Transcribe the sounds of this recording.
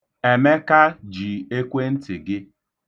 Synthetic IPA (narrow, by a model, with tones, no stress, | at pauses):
e˨me˦ka˦d͡ʒi˨e˦kʷe˦n̩˦tɪ˨ɡɪ˦